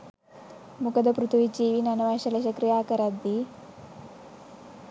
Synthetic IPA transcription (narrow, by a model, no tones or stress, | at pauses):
mukɐd̪ɐpɾut̪ʰuʋit͡ʃiːʋinɐnɐʋaːʃɐlɐʃɐkɾijaːkɐɾɐd̪ːi